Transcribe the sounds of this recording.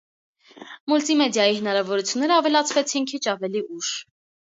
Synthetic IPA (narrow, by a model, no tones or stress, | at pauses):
mult̪imɛd̪jɑjihənɑɾɑvɔɾut͡sʰjunːɛɾəɑvɛlɑt͡sʰvɛt͡sʰinkʰit͡ʃʰɑvɛliʔuʃ